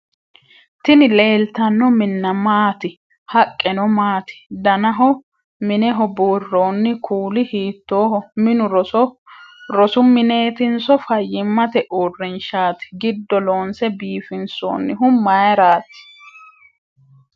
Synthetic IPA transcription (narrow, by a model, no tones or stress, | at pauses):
t̪ɪnɪle̞ːlt̪ɐnːɔmɪnːɐmaːt̪ɪ | hɐkʼːɛnɔmaːt̪ɪ̥d̪ɐnɐɦɔ | mɪnɛɦɔboːrːoːnːɪkʰuːlɪhiːt̪ːoːhɔmɪnʊɾɔ | ɾɔsʊmɪne̞ːt̪ɪnsɔfɐjːɪmːɐt̪ɛʔurːɛnʃaːt̪ɪ̥ɡɪd̪ːɔloːnsɛbiːfɪnso̰ːnːɪɦʊmmːɐjɐɾaːt̪ɪ̥